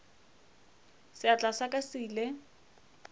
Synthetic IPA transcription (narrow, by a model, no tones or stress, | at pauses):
sɪat͡ɬʼasakʼasiːle